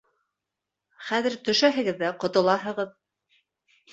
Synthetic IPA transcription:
χæðɘɾt̪ɵ̆ʃæɦɘ̆ɡɘðːæqŏt̪ŏlˠɑɦɤ̆ʁɤð

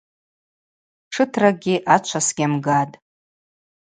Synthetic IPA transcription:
ʈ͡ʂʰɨtʰraɡʲiʔat͡ʃʷʰasɡʲamɡatʼ

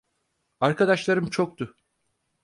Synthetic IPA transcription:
aɾkad̪aʃlˠaɾɯmt͡ʃʰok̚t̪ʊ

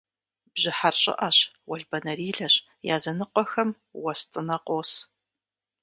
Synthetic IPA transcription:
b̥ʑɪħarɕʼɪ̰ʔɐɕwɐɮbɐnɐɾiːɮɐɕ | jaːzɐnɨqʷʼɔxɐm | wɐstʼɨnɐqʷʼoːs

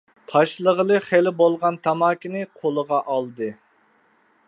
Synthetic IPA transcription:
t̪ʰɑʃlˠəʁəlˠɨχelɪbolˠʁɑnt̪ʰɑmɑːkʲinɨqʰolˠəʁɑʔɑlˠd̪ɨ

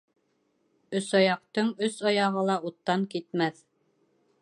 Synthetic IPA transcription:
ɵ̆sɑjɑq̚t̪ɤɴɵsɑjɑʁɤlˠɑut̪ːɑŋkit̪mæθ

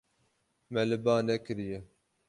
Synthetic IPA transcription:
mɛlɨbɑːnɛkɨɾijɛ

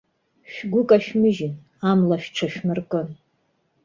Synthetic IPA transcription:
ʃᶣɡʷʊkʼaʃᶣmɨʒɪn | amlaʃᶣʈ͡ʂʰaʃᶣmɨrkʼɨn

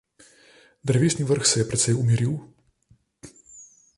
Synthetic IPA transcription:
d̪ɾɛʋeːsniʋəɾxsɛjɛpɾɛt̪sɛjumiɾiw

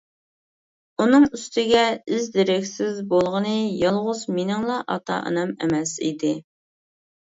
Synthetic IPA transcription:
unɨŋyst̪ʰɪɡʲɛyzd̪eɾɪkʲsɪzbolˠʁənɨjɑlˠʁʊzmenɪŋlˠɑʔɑ̰t̪ʰɑ̰ʔɨ̰nɑmḛmɛsḭd̪ɪ

